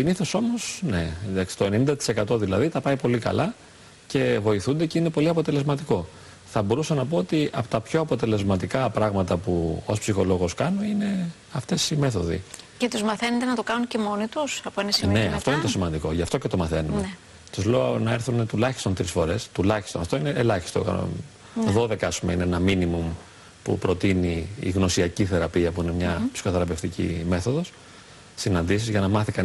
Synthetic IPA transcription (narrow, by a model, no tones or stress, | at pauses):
iniθo̞so̞mo̞sne̞̰ðɐksi̥t̪o̞e̞nenind̪ɐt̪i̥se̞kɐt̪o̞ðilɐðit̪ɐpɐipo̞likɐ̰lɐ | ce̞vo̞iθund̪e̞ceine̞po̞liɐpo̞t̪e̞le̞zmɐt̪iko̞ | θɐbo̞ɾusɐnɐpoot̪iʔɐpo̥t̪ɐpço̞ɐpo̞t̪e̞le̞zmɐt̪ikɐpɾɐɣmɐt̪ɐpuo̰spsixo̞lo̞ɣo̞skɐno̞ine̞ | ɐft̪e̞sime̞θo̞ðḭ | cet̪uzmɐθe̞nont̪enɐt̪okɐnunce̞mo̞nit̪usɐpoenɐsmneɐft̪oinesimɐnd̪iko̞ʝɐft̪o̞ce̞t̪o̞mɐθe̞num | t̪uzlonɐe̞ɾθunt̪ulɐçist̪ont̪ɾisfo̞ɾe̞st̪ulɐçi̥st̪onɐft̪o̞ineːlɐçi̥st̪o̰kɐ̰no̰ | ðo̞ðe̞kɐɐspumeineenɐminimum | pṵpɾo̞t̪inḭːɣno̞siɐciθe̞ɾɐpiɐpuinemɲɐpsi̥xoθeɾɐpe̞ft̪icḭme̞θo̞ðo̞s | sinɐnd̪is̬izʝɐnɐmɐθikɐn